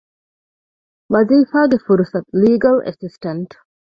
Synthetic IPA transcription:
mɐziːfaːɡefuɾusɐt̪̚liːɡɐlʔɐ̰sisʈɐnʈ

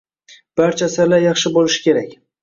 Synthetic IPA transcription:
b̥aɾt͡ʃʰasaɾlajɑχʃɪbolɪʃɪ̥kʲe̞ɾakʲ

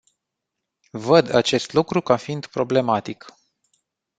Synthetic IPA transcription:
vəd̪at͡ʃe̞st̪lukɾukafiind̪pɾo̞ble̞mat̪ik

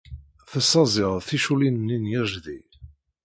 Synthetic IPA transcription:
θəsːɑzˤɪʁθiʃulinənːinjəʒði

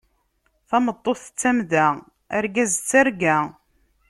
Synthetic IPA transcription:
θɑmət̪ˤːoθt͡sːæmðæ | æɾɡæzt͡sːaɾɡæ

